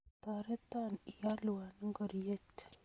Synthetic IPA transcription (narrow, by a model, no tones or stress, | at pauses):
t̪aɾet̪anijaluwanəŋɡəɾjet̪